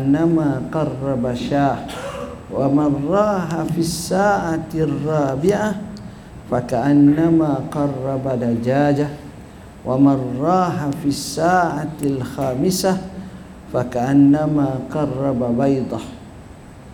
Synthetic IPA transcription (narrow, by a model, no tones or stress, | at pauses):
nːamaːqɑrˤːɑbaʃaːʔ | wamɑnˤɾˤɑːɦafisːaːʕarˤːɑːbɪʕa | fakaʔanːamaːqɑrˤːɑbad̪ad͡ʒaːd͡ʒa | wamɑanːɑːɦafisːaːʕalxaːmɪsa | fakaʔanːamaːqɑrˤːɑbabɑjd̪ˤɑ